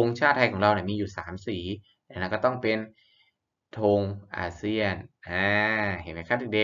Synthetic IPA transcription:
o˧ŋt͡ɕʰaː˥˩t̪ʰːa˧jkʰɔː˩˦ŋɾa˧wni˧˩miː˧juː˨˩saː˩˦msiː˩˦ | lɛ˦˩n˧˥˩kɔː˥˩t̪ɔ˥˩ŋpe˧n | t̪ʰoː˧ŋʔa̰ː˧si˥˩ənʔaː˧he˨˩˦nma˧˦kʰa˥˩t̪ʰiː˨˩de˧

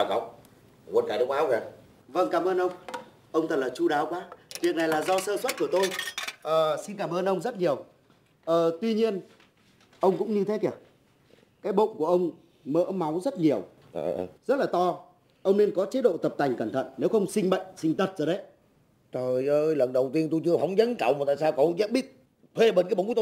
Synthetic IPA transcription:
ka˨˦w̚ | u˨nkaː˧˩ɗə˨˦k̚ʔaː˨˦˧ka˨˧˩ | və˧ŋkaː˧˩mʔəː˧nʔə˧wŋ͡m | ʔə˧wŋ͡mt̪ʰə˨˩t̚laː˨˩t͡ɕu˧ɗaː˨˦wkwaː˨˦vi˨˩ək̚na˨˩jlaː˨˩zɔ˧səː˧swə˦˥t̚ku˧˩ət̪o˧jʔəː˨˩si˧nkaː˧˩mʔəː˧nʔə˧wŋ͡mzə˦˥t̚ɲi˨˩əw | ʔəː˨˩t̪wi˧ɲi˧ən | ʔə˧wŋ͡mkʊ̰˧˥ŋ͡mɲɨ˧t̪ʰe˨˦kɛ˧˩ə | kaː˨˦jɓo̰˧˨ku˧˩əʔə˧wŋ͡m | mə̰ː˧˥ma˨˦wzə˦˥t̚ɲi˨˩əw | ʔə̰ː˨˧˩zə˦˥t̚laː˨˩t̪ɔ˧ | ʔə˧wŋ͡mne˧nkɔ˨˦t͡ɕe˨˦ɗo̰˧˨t̪ə˨˩p̚t̪ʰa˨˩jŋ̟kə˧˩nt̪ʰə̰˧˨nːe˨˦wxə˧wŋ͡msï˧ŋ̟ɓə̰˧˨jŋ̟sï˧ŋ̟t̪ʰə˨˩t̚zɔ˨˩ɗə˨˦j | t̪o˧˨˩jʔəː˧jlə˨˩nɗə˨˩wt̪i˧ənt̪o˧jt͡ɕɨ˧əfa˨˦wŋ͡mɲə˨˦nka˨˧˩wm̚˨˩t̪a̰ː˧˨˩saː˧wkɔ˨˦ʔə˧ŋ͡mzɛ̰˧˥ɓi˦˥ət̚ | t̪ʰwe˧ɓə˨˩nkaː˨˦ɓt̪o˧

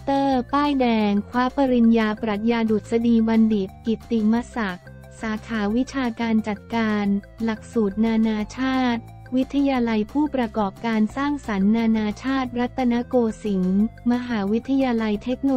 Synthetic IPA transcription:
t̪ɤː˥˩t̪aː˥˩jdɛː˧ŋkʰwaː˦˥pa˧ɾi˧njaː˧pɾa˨˩t̪̚jaː˧du˨˩t̪̚sa˧diː˧ba˧ndi˨˩t̪̚ki˨˩t̪ːi˨˩ma˧˥sa˨˩k̚ | saː˩˦kʰaː˩˦wi˦˥t͡ɕʰaː˧kaː˧nt͡ɕa˨˩t̪̚kaː˧n | la˨˩k̚suː˨˩t̪̚naː˧naː˧t͡ɕʰaː˥˩t̪̚ | wi˦˥t̪ʰːa˧jaː˧la˧jpʰuː˥˩pɾa˧kɔː˨˩p̚kaː˧nsaː˥˩ŋsa˩˦nːaː˧naː˧t͡ɕʰaː˥˩t̪̚ɾa˦˥t̪ʰːa˧na˦˥koː˧si˩˦ŋma˧ɦaː˩˦wi˦˥t̪ʰːa˧jaː˧la˧jt̪ʰe˦˥k̚no˧

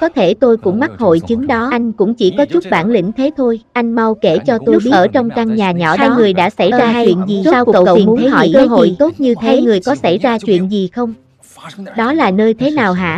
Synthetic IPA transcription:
kɔ˨˦t̪ʰe˧˩t̪o˧jkʊ̰˧˥ŋ͡mma˦˥t̚ho̰˧˨jt͡ɕɨ˨˦ŋɗɔ˨˦ʔa˧jŋ̟kʊ̰˧˥ŋ͡mt͡ɕi˧˩kɔ˨˦t͡ɕʊ˦˥t̚ɓaː˧˩nlḭ̈˧˥ŋ̟t̪ʰe˨˦t̪ʰo˧jʔa˧jŋ̟ma˧wke˧˩t͡ɕɔ˧t̪o˧˦˥ɓi˦ʔəː˧˩t͡ɕɔ˧wŋ͡mt͡ɕa˧ŋɲaː˨˩ɲɔ̰˧˩aː˧jŋɨ˨˩əjɗa̰ː˧˥sa˧˩jzaː˧t͡ɕwḭ˧˨ənzi˨˩zaː˧wə̰˧˨wə̰˧˨nʰ˨˦e˨˦ɔ̰˧˨kəː˧˦ɦo̰˧˨jt̪o˦˥t̚ɲɨ˧t̪ʰeaː˨˧˦jŋɨ˨˩əjkɔ˨˦sa˧˩jzaː˧t͡ɕwḭ˧˨ənzi˨˩xə˧wŋ͡m | ɗɔ˨˦laː˨˩nəː˧jt̪ʰe˨˦naː˨˩wɦa̰ː˧˥

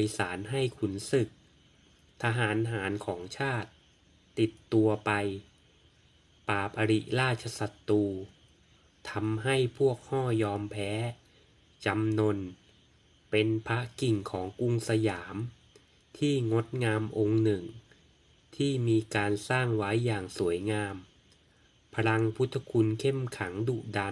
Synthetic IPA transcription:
i˧saː˩˦nɦa˥˩jkʰu˩˦nsɯ˨˩k̚ | t̪ʰa˧ɦaː˩˦nɦaː˩˦nkʰɔː˩˦ŋt͡ɕʰaː˥˩t̪ː | i˨˩t̪ːu˧ɐpa˧j | paː˨˩p̚ʔa˧ɾi˨˩ʔɾaː˥˩t͡ɕʰa˧sa˨˩t̪ːuː˧ | t̪ʰa˧mɦa˥˩jpʰu˥˩ək̚hɔː˥˩jɔː˧mpʰɛː˦˥ | t͡ɕa˧mno˧n | pe˧npʰa˦˥ki˨˩ŋkʰɔː˩˦ŋku˧ŋsa˧jaː˩˦m | t̪ʰiː˥˩ŋo˦˥t̪̚ŋaː˧mʔo˧ŋnɯ˨˩ŋ | t̪ʰiː˥˩miː˧kaː˧nsaː˥˩ŋwa˦˥jːaː˨˩ŋsu˩˦əjŋaː˧m | pʰa˧ɾa˧ŋpʰu˦˥t̪ʰːa˧kʰu˧nkʰe˥˩mkʰa˩˦ŋduː˨˩t̚da˧

